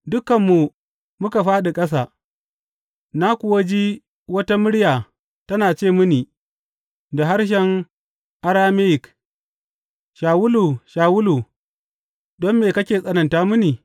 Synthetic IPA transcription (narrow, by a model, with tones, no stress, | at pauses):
dʊ˦kɐ˨mːu˨ | mʊ˦ka˨ɸaː˦ɗi˨kʼɐ˦s̬aː˨ | na˦kʷʊ˨wa˦d͡ʒiː˦ | wɐ˦ta˦mʊ˦ɽjaː˨ | tɐ˦naː˨t͡ʃeː˦˨mʊ˦ni˨ | da˨ɦa˦ɽʃ̬ɛ˦ŋ | ʔa˦ɾaː˦me˦jɪ˨k | ʃaː˨wʊ˦lu˨ʃaː˨wʊ˦lu˨ | dɔ˦mːeː˨kɐ˦kʲeː˨sʼɐ˦nɐ˨ntaː˦mʊ˦niː˨